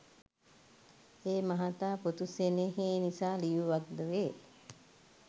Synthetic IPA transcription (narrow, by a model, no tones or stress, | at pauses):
eːmaɦat̪aːput̪useneɦeːnisaːlijuʋak̚d̪əʋeː